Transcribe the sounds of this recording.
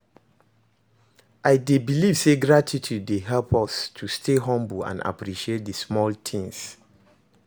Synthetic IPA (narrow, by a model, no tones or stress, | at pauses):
ʔaɪdebiliv̥seɡɹatʰitʰudeɦɛlpʰɔstʰustʰeɦɔ̃mbulã̰na̰pɹiʃiet̚dəsmɔltʰĩŋs